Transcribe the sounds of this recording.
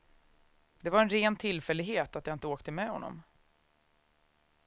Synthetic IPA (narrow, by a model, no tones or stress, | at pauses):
d̪ɛvaɾɛnɾeːnt̪ʰɪlːfɛlːɪɡɦeːt̪at̪jaɪnt̪əoːk̚t̪əmɛhɔ̰nːɔ̰m